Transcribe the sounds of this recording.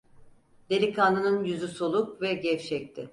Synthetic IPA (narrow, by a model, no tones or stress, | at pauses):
d̪̥elʲikʰanɯnɯnjyzyso̞lˠukvɛɟɛft͡ʃʰɛc̚t̪ʰɪ